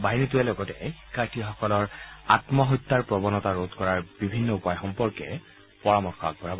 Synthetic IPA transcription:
baɦinituɛlɔɡɔtɛ̰xi̥kʰːaɹtʰixɔkɔlɔɹa̰tmɔɦɔt̪ːaɹpɹɔbɔnɔtaɹodkɔɹaɹbibʱinːɔupajxɔmpɔɹkɛ̰ | pɔɹamɔxɔa̰ɡ̚bɔɹabɔ

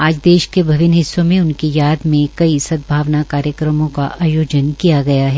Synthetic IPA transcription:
aːd͡ʒd̪eːʃkebʱɐʋɪnɦɪsːõmẽʊnkijaːd̪mẽkɐisɐd̪̚bʱaːʋnakaːɾjəkɾəmõkaʔaːjoːd͡ʒənkijaɡɐjaɦɛː

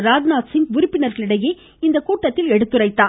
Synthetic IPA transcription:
ɾaːd͡ʒnaːt̪sɪnʊɾɪpːɪnɐɾɣɐɭɪɽɐjeː | ɪnd̪ɐkuːʈːɐt̪ːɪlɛɽɯt̪ːɯɾɐɪt̪ːaː

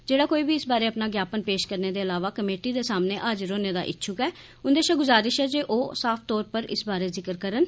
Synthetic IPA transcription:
d͡ʒeːɽaːkoːiːbiːɪsbaːɾeːəpnaːɡjaːpənpeːʃkəɾneːd̪eːəlaːʋaːkəmeːʈiːd̪eːsaːmneːʔəd͡ʒɾoːneːd̪a̰ːʔɪ̰tːʃʰʊkɛː | ʊnd̪eːʃaːɡʊzaːɾɪʃɛːd͡ʒeːʔoːsaːpʰt̪ɔːɾpəɾɪ̰sbaːɾeːzɪkəɾkəɾən

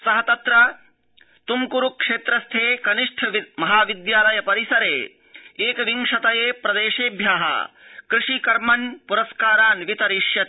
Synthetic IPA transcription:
sɐɦɐt̪ɐt̪ɾɐ | t̪umkuɾukʂeːt̪ɾɐst̪ʰeːkɐniʂʈʰɐʋimɐɦaːʋid̪jaːlɐjɐpɐɾisɐɾeː | eːkɐʋiŋʂɐt̪ɐjeːpɾɐd̪eːʂeːbʱjaːɦɐ̰kɾɪʂikɐɾmɐnpuɾɐskaːɾaːnʋit̪ɐɾiʂjɐt̪ː

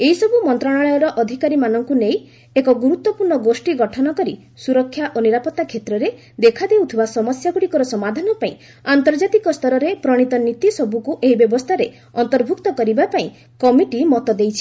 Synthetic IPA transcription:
eɦisɔbumɔnt̪ɾɔɽ̃aɭɔjɔɾɔʔɔd̪ʱikaɾimanɔŋkunej | ekɔɡuɾut̪ːwɔpuɾɳɔɡosʈiɡɔʈʰɔnɔkɔɾi | suɾɔkʰːjaʔoniɾapɔt̪ːakʰet̪ɾɔɾe | d̪ekʰad̪ewt̪ʰibasɔmɔsjaɡuɽikɔɾɔsɔmad̪ʱanɔpaĩ | ant̪ɔɾd͡ʒat̪ikɔst̪ʰɔɾɔɾepɾɔɽ̃it̪ɔnit̪isɔbukuʔeɦibjɔbɔst̪ʰaɾe | ɔnt̪ɔɾbʱuk̚t̪ɔkɔɾibapaĩ | kɔmiʈimɔt̪ɔd̪ejt͡ʃʰi̥

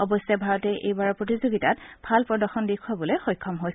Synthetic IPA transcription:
ɔbɔsɛbʱaɹɔtɛʔḛjbaɹɔpɹotizoɡitatb̥ʱalpɹɔdɔxɔndikʰːɔbɔlexɔjkʰːɔmɦojs

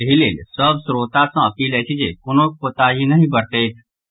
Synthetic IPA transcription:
ɦileːlsəbsɾoːt̪asãɐpiːlɛt͡ʃʰid͡ʒekʊnõpot̪aɦinɐɦĩbəɾt̪eː

